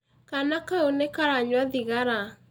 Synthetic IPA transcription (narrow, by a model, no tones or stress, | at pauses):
kanakaonekaɾaɲwaðiɣaɾa